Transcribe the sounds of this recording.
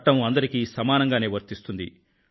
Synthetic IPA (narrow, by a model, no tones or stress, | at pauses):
ʈːɐmuɐnd̪ɐɾikiːsɐmaːnɐŋɡaːneːʋɐɾt̪ist̪und̪ḭ